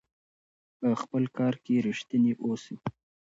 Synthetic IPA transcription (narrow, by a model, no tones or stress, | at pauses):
pəxpəlkɑɾkeɾiʃt̪əneʔosi